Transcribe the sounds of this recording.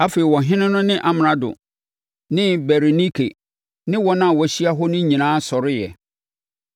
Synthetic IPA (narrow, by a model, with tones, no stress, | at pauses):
a˦feː˨i˨wɔ̃˨ɦɪ̃˦nʊ̃˦nʊ̃˦nɪ̃˦ʔa˨m˨ã˨dʊ̰˨ | nɪ̃˦bɛ˨ɾe˨ni˦kʰḛ˨ | nɪ̃˦wɔ˦nã˦˨wɔ˨ɕi˦a˦ɦɔ˦nʊ̃˦ɲĩ˨nãː˦sɔ˨ɾɪ˦jɛ̰˨